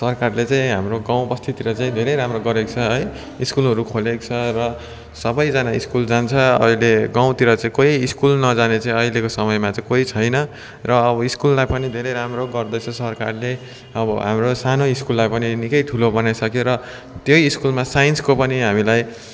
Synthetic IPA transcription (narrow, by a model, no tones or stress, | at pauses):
sʌrkarlet͡saĩɦamroɡaw̃bʌst̪ʰit̪iɾʌt͡saĩd̪ʱeɾʌjɾamroɡʌɾekt͡sʰʌɦʌj | iskulɦʌɾukʰolekt͡sʰʌrʌ | sʌbʌjd͡zanaiskuld͡zant͡sʰʌʌ̰ileɡaw̃t̪iɾʌt͡sãĩkoiːskulnʌd͡zanet͡saĩʌilekosʌmʌjmat͡saĩkoit͡sʰʌjnʌ | rʌːbʌiskulːajpʌnid̪ʱeɾejɾamroɡʌrd̪ʌt͡sʰʌsʌrkarle | ʌbʌɦa̰mrosanoiskulːajpʌninikʌjʈ̪ʰulobʌnajsʌkjoɾʌ | t̪joiskulmasajenskopʌniɦamilaj